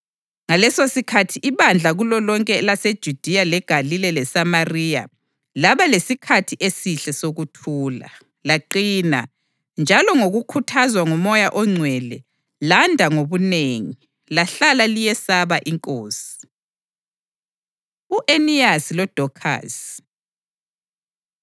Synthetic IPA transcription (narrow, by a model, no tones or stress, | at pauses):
ŋalɛsosikʰatʰiʔiβand͡ɮʱaɣulɔlɔŋkʼɛlased̥ʒ̥ʱud̥ʱijalɛɡ̥ʱalilɛlɛsamarija̰ | laβalesikʰatʰiʔesiɬɛsoɣutʰuːla̰ | laǃina̰ | nd͡ʒʱalɔŋoɣukʰutʰazwaŋumɔjaʔɔŋ͡ǀʱwɛlɛ | landʱaŋoβuneːŋi | laɬalalijɛsaβaʔiŋkʼoːsi̥ | uʔenijasilɔd̥ʱɔkʰa̰ːs